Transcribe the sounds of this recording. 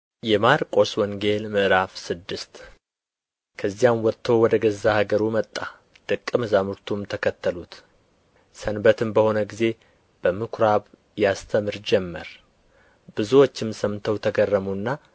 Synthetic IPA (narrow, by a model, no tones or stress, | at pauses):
jɛmaɾkʼo̞swɔŋɡe̞lmɨʔɾafsɨd̪ːɨst̪ | kʰəzːijamwɔt̪ʰːo̞wɔd̪əɡəzːahaɡəɾumət̪ʼːa | d̪̥ɨkʼːɨmɨzamɨɾt̪ʰumt̪ʰəkʰət̪ːəlut̪ | sənbət̪ʰɨmbəho̞nəɡize̞ | b̥əmɨkʰɾaβ | jast̪ʰəmɨɾd͡ʒɛmːə̰ɾ | bɨzuwot͡ʃːɪmsəmt̪ʰəwt̪ʰəɡərːəmunːa